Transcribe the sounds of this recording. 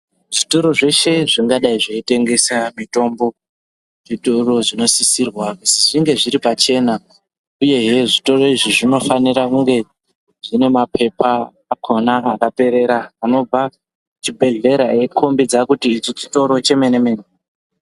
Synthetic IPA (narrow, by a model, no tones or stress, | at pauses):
ʐitoɾo̞ʐe̞ʃe̞ʐiŋɡaɗaiʐeite̞ŋɡe̞samito̞mbo̞ | ʐitoro̞ʐino̞sisirwakusiʐiŋɡe̞ʐiɾipat͡ʃe̞ːna | uje̞ɦe̞ʐito̞ro̞iʐiʐino̞faniɾakuŋɡe̞ | ʐine̞mapʰe̞paː | kʰo̞naakape̞ɾe̞ɾaːno̞b͡va | t͡ʃibʱe̞ɮe̞ɾae̞kʰo̞mbid͡zakutiːt͡ʃit͡ʃi̥to̞ɾo̞t͡ʃe̞me̞neme̞ːne